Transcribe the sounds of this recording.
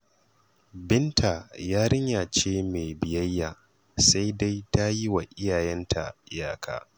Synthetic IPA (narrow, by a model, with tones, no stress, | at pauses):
bɪ˦ntʰa˨jaː˦ɽɪ˦ɲjaː˨t͡ʃeː˦meː˨bɪ˨jɐ˦jːaː˨ | sa˦jda˦jta˦ji˦wa˨ʔɪ˦jaː˨jɛ˦ntʰa̰˨ɪ˦ja̰ː˨kʰa̰ː˦